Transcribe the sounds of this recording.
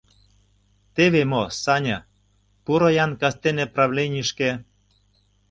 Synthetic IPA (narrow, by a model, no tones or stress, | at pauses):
t̪eβemosɑnʲɑ̆ | puɾojɑnkɑst̪eneprɑvlʲenʲiʃke